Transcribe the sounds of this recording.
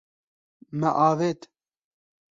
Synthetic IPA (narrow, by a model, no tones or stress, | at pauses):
mɛʔɑːveːt̪